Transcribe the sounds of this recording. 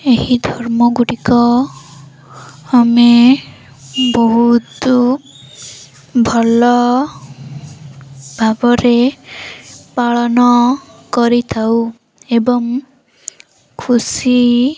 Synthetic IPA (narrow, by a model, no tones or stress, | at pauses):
ehid̪ʱɔɾmɔɡuɽikɔ | ame | bɔɦut̪u | bʱɔlɔ | bʱabɔɾe | paɭɔnɔkɔɾit̪ʰaw | ebɔŋ | kʰusi